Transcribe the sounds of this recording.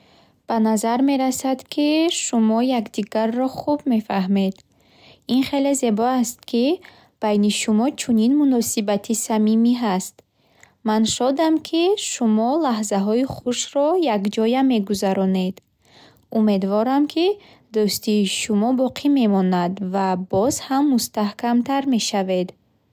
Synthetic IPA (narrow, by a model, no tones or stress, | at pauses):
b̥anazaɾme̞ɾasad̪kʰiʃumɔjakd̪iɡarːɔχubme̞faɦmed̪ | inχe̞le̞ze̞bɔast̪kʰi | b̥ajniʃumɔt͡ʃʰuninmunɔsibat̪ʰisamimiɦast̪ | manʃɔd̪amkʰiʃumɔlaɦzaɦɔiχuʃɾɔjakd͡ʒɔjame̞ɡuzaɾɔne̞d̪ | ume̞d̪vɔɾamkʰi | d̪ɔst̪iʃumɔbɔqʰime̞mɔnad̪vabɔzhamːust̪ahkamt̪aɾme̞ʃave̞d̪